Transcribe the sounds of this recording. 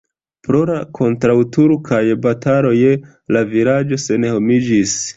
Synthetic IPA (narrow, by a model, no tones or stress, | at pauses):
pɾo̞ɾakʰo̞ntɾawtuɾkʰajbataɾo̞je | laviɾad͡ʒo̞se̞ne̞ho̞mid͡ʒis